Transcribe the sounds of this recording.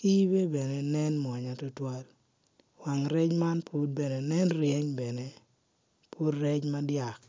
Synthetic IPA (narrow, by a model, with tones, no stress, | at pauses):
ki˦be˦be˨ne˨nɛ˦nmɔ˨ɲa˨tu˦twa˦l | wa˨ŋɾɛ˦t͡ʃma˦npʰu˦d̚be˨ne˨nɛ˦nɾjɛ˦ɲbɛ˨ne˨ | pʰu˦ɾːɛ˦t͡ʃma˦dja˨k̚